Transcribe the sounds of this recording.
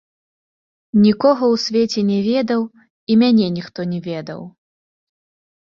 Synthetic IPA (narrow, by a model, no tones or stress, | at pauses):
nʲikɔɣɐwsʲvʲɛt͡sʲɛnʲɛvʲɛd̪ɐw | imʲanʲɛnʲixt̪ɔnʲɛvʲɛd̪ɐ̰w